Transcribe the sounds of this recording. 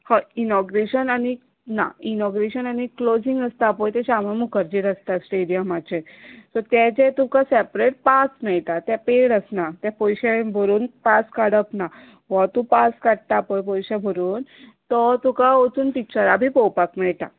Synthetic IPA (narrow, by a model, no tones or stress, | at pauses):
hɔinɔɡɾeɕənañi | na̰inɔɡɾeɕənañiklod͡ziŋɡəst̪apɔjt̪ɛɕamamukəɾd͡ʑiɾəst̪asʈeɽijəmat͡ɕesɔt̪jɛd͡ʑet̪ukasɛpɾeʈ̚pasmɛɭt̪at̪jɛpeɽəsnat̪jɛ̃pɔjɕɛbʱəɾuːnpaskaɽəpna | ʋat̪ũpaskaɽt̪apɔjpɔjɕɛbʱəɾuːnt̪ɔt̪ũkaot͡suːnpik̚t͡ɕəɾabʱiːpɔwpakmɛɭt̪a̰